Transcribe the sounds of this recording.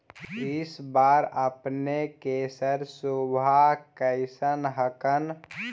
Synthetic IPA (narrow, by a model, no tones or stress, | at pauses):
ɪsbaːɾəpnekeːsəɾsubʱakəɪsənɦəkən